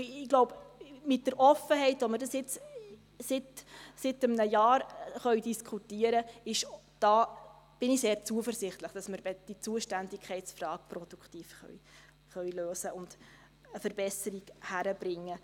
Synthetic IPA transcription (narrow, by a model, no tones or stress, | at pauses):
ɪɡ̥loʊbmɪt̚dəɾʔɔfəɦɛɪtʋɔmɪɾdɑsjɪt͡s | sɪtsɪtəmnəjɑːɾχœɥdiskʰχutiːəɾəɪʃ | d̥ɑː | b̥ɪniseːɾt͡suəfərsɪχt̪ləχd̥ɑsməɾbɛd̥it͡suəʃtændɪkʰɛɪtsfrɑːk̚prɔd̥ukχtiːfχœ̰ɥ | χœɥløːsəʔʊnd̥ | əfəɾb̥ɛsəɾiɡhæɾəb̥ɾɪŋːə